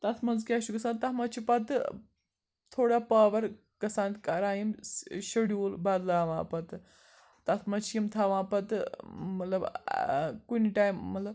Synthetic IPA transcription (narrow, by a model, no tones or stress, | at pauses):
t̪ɐt̪ʰmɐnzkʲaːʃukɐsaːnt̪ːɐmɐt͡ʃʰipɐt̪ɨ | t̪ʰoːɽapaːʋɐɾ | kɐsãːnt̪kɐɾaːjimɕɐɽjuːlbaːd̪laːʋãːpɐt̪ | t̪ɐt̪ʰmɐt͡ʃʰimt̪ʰaʋãːpɐt̪ɨːɐt̪lɐb | kuniʈaːjmːɐt̪lɐb